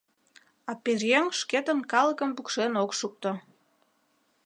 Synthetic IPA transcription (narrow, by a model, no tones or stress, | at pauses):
ɑperjeŋʃket̪ənkɑləkəmpukʃenokʃuk̚t̪o